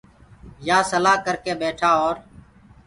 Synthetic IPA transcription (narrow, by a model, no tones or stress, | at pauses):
jaːsəlaːkəɾkeːbeːʈʰaːoːɾ